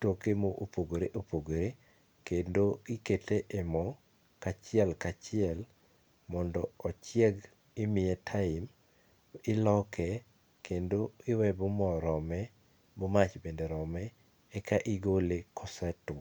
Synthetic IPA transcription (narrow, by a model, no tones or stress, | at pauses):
tokemoʔopoɡoɾeʔopoɡoɾe | kendoɪketeʔemɔ | kat͡ʃɪɛlkat͡ʃɪɛl | mɔndɔːt͡ʃɪɛɡ | ɪmɪɛtʰaɪm | ɪlɔkʰɛ | kʰendoɪwɛbʊmɔɾɔmɛ | bʊmat͡ʃbendeɾɔmɛː | kaʔɪɡolekʰɔsɛtʊ